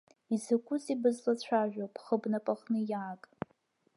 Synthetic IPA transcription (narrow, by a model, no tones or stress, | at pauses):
izakʷʼʊzibɨzlat͡ɕʷʰaʒᶣopʰʼχəbnapʼaχnɨjaːkʼ